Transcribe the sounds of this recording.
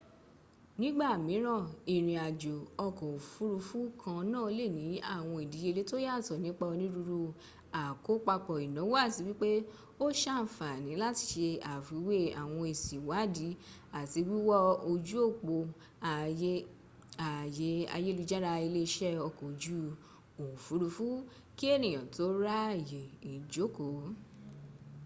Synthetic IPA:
nĩ˦ɡ͡ba˦˨mĩ˨˦ɾ̃ã˦˨i˨ɾ̃ĩ˨a˨d͡ʒo˨ɔ˧kɔ̃˨fu˦ɾu˧fu˦kʰã˧nã˦o˧le˦˨nĩ˨˦a˦˨w̃ɔ̃˧i˨di˨˦je˧le˨˦to˦ja˦˨tɔ˨nĩ˨˦k͡pa˧o˧nĩ˦ɾu˧ɾu˧ | a˨ko˨˦k͡pa˧k͡pɔ˨i˨nã˨˦wo˦a˦˨si˨˦wi˦k͡pe˦ | o˦ʃa˦˨fa˨nĩ˨˦la˦˨ti̥˧˦ʃe˧a˨fi˨˦we˦a˨w̃ɔ̃˧e˨si˨wa˨˦˨di˨˦ | a˨ti˧wi˦wɔ˦o˧d͡ʒu˦o˦˨k͡po˧ | a˧˦ | a˨je˨˦a̰˧je˦lu˧d͡ʒa˦ɾa˧i˧le˦˧ʃɛ˦ɔ˧˨ko˨d͡ʒu˦ | o˨fu˨˦ɾu˧fu˦ | ki˦e˦˨nĩ˨j̃ã˨to˨˦ɾa˦˨je˨i˨d͡ʒo˨˦˨ko˨˦

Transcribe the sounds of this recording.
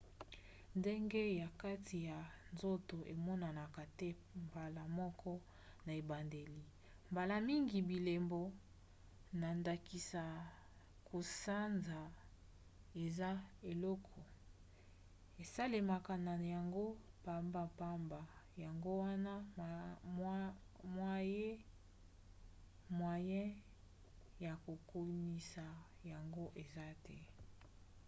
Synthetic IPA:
nde˦ŋɡe˦ja˨ka˦tʰi˨ja˨nzo˦to˨ʔe˨mɔ˦na˨na˨ka˨tɛ˦ | mba˨la˨mɔ˦kʰɔ˦ | na˨e˨ba˨nde˨li˨ | mba˨la˦˨mi˦ŋɡi˨bi˨le˨mbɔ˨ | na˨nda˨ki˨sa˨ | kʰo˨sa˦nza˨ | e˨za˦e˨lɔ˦kʰɔ˨ | e˨sa˦le˨ma˨ka˨na˨ja˨ŋɡo˦pa˨mba˨pa˦mba˨ja˨ŋɡo˦wa˦na˦ | mwa˦je˦ | mwa˨jɛ̃˦ | ja˨ko˨ko˦ni˦sa˨ | ja˨ŋɡo˦ʔe˨za˦tɛ˦

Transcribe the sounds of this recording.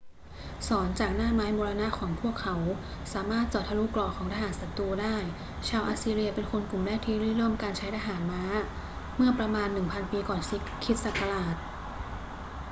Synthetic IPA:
sɔː˩˦nt͡ɕaː˨˩k̚naː˥˩maː˦˥jmoː˧ɾa˧na˦˥ʔkʰɔː˩˦ŋpʰu˥˩əkʰːa˩˦w | saː˩˦maː˥˩t̪̚t͡ɕɔː˨˩t̪̚ʰa˧lu˦˥klɔː˨˩kʰɔː˩˦ŋt̪ʰaː˧ɦaː˩˦nsa˨˩t̪uː˧daː˥˩j | t͡ɕʰaː˧wʔaː˧siː˧ɾi˧ɐpe˧nkʰo˧nku˨˩mda˥˩k̚t̪ʰiː˥˩ɾi˥˩ɾɤː˥˩mkaː˧nt͡ɕʰa˦˥jtʰaː˧ɦaː˩˦nmaː˦˥ | mɯ˥˩ɐpɾa˧maː˧nːɯ˨˩ŋpʰa˧npiː˧kɔː˨˩nsi˦˥ | kʰi˦˥t̪̚sa˨˩kːa˧laː˨˩t̪̚

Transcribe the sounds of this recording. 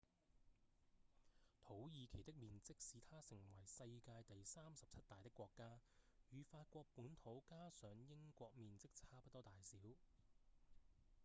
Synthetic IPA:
t̪ʰo˨˥wjiː˨˧kʰe˨˩jt̪ɪ˥k̚miː˨nt͡sɪ˥k̚siː˨t̪ʰaː˥sɪ˨˩ŋwɐ˨˩jsɐ˧jkaː˧jt̪ɐ˨jsaː˥msɐ˨p̚t͡sʰɐ˥t̚t̪aː˨jt̪ɪ˥kːʷɔː˧kːaː˥jyː˨faː˧t̚kʷɔː˧k̚puː˨˥nt̪ʰo˨˥wkaː˥sœː˨˥ŋjɪ˥ŋkʷɔː˧k̚miː˨nt͡sɪ˥k̚t͡sʰaː˥pɐ˥t̚t̪ɔː˥t̪aː˨jsiː˨˥w

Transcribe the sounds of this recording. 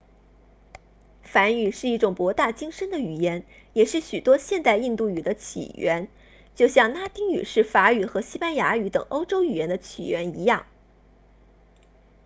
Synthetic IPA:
fa˧˥ny˨˩ʂɻ̩˥˧i˥˩ʈ͡ʂʊ˨˩ŋpwɔ˧˥t̪a˥˩t͡ɕi˥ŋʂə˥nd̪ə˨y˨˩jɛ˧˥n | jɛ˨˩ʂɻ̩˥˩ɕy˨˩t̪wɔ˥ɕjɛ˥˧nt̪a˥˧ɪi˥˧nt̪u˥˩y˨˩d̪ə˦t͡ɕʰḭ˨˩ɥɛ˧˥n | t͡ɕjo˥˧ʊɕjɑ˥˩ŋna˥t̪i˥ŋy̰˨˩ʂɻ̩˥˩fa˧˥y˨˩xɤ˧˥ɕi˥pa˥nja˧˥y˧˥t̪ɤ̰˨˩ŋo˥ʊʈ͡ʂo˥ʊy˨˩jɛ˧˥nd̪ə˧t͡ɕʰḭ˨˩ɥɛ˧˥ni˧˥jɑ˥˩ŋ

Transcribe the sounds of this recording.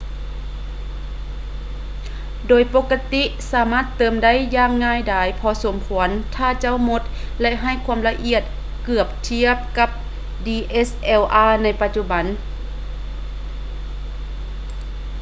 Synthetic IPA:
doː˨jpo˧˥kːa˧t̪i˧˥ʔsaː˩˦maː˧˥˩t̪ːɤː˨˦mda˥˨jːaː˧˩ŋːaː˧˥˨jdaː˨˧˩jpʰɔː˧so˨˩˦mkʰu˩˦ənt̪ʰaː˧˥˩t͡ɕa˧˥˨wmo˧˥t̪̚ | lɛ˧˥ʔɦa˧˩jkʰu˧˥mla˧ʔi˧˩ət̪̚ | kɯ˨˩əp̚t̪ʰi˧˥˨əp̚ka˧˥p̚ | diː˧ʔe˦˥sʔɛː˧˩wʔaː˧˩na˧˥jpa˧t̪̚t͡ɕu˧˥ba˨˦n

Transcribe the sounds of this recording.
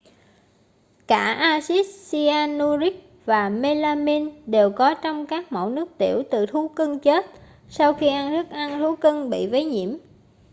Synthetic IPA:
kaː˧˩ʔaː˧si˦˥t̚si˧aː˧nu˧zi˦˥k̚ | vaː˨˩me˧laː˧mi˧nɗe˨˩wkɔ˨˦t͡ɕɔ˧wŋ͡mkaː˦˥k̚mo̰˧˨˩nɨ˦˥ək̚t̪ḭ˧˩əwt̪ɨ˨˩t̪ʰu˨˦kɨ˧ŋt͡ɕe˦˥t̚ | sa˧wxi˧ʔa˧nt̪ʰɨ˦˥k̚ʔa˧ŋt̪ʰu˨˦kɨ˧ŋɓḭ˧˨və˨˦jɲḭ˧˩˨əm

